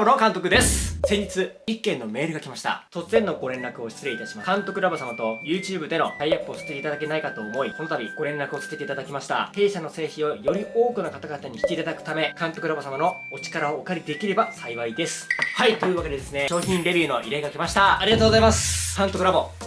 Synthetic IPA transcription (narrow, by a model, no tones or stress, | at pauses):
bono̞kãnt̪o̞kɯ̟d̪e̞sɨ̥sẽɲd͡ʑit͡sɨikːẽ̞nːo̞me̞ːɾɯ̟ɡakʲimaɕi̥t̪a̰t̪o̞t͡sɨzẽ̞nːo̞ɡo̞ɾẽ̞nɾakɯ̟o̞ɕi̥t͡sɨɾe̞it̪aɕimakãnt̪o̞kɯ̟ɾabosamat̪o̞jɯ̟ːt͡ɕɨːbɯ̟d̪e̞no̞d̪aiapːosɨ̥t̪eeit̪ad̪ake̞naikat̪o̞ːmo̞iko̞no̞t̪abʲiɡ̥o̞ɾẽ̞nːakɯo̞sɨ̥t̪e̞t̪eit̪ad̪akʲimaɕi̥t̪a̰he̞ːɕano̞se̞ːçĩo̞jo̞ɾʲioːkɯ̟nakat̪aɡat̪aɲ̟içʲi̥t̪e̞it̪ad̪akɯ̟̥t̪ame̞kãnt̪o̞kɯ̟ɾabosamano̞ | ot͡ɕi̥kaɾaoːkaɾʲid̪e̞kʲiɾe̞basaiβaid̪e̞sɨ̥hait̪o̞jɯ̟ːβake̞d̪e̞d̪esɨne̞ɕo̞ːçĩnɾe̞bʲiɯ̟no̞ʔiɾaiɡakimaɕi̥t̪aːɾʲiɡat̪oːɡozaimasɨ̥kãnt̪o̞kɯɾabo̞